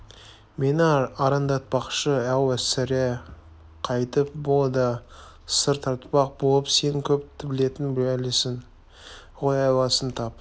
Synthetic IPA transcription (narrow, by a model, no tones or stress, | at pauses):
menɑɾɑnd̪ɑt̪̚pɑqʃəæwæsæɾe | qʰɑjt̪əp̚bolˠd̪ə | səɾt̪ʰɑɾt̪pɑq̚bolˠəpse̞nɪŋkʲʰɵp̚t̪ʰɪbɪle̞t̪ɪnb̪ælesɪŋ | ʁojɑjlˠɑsənt̪ʰɑp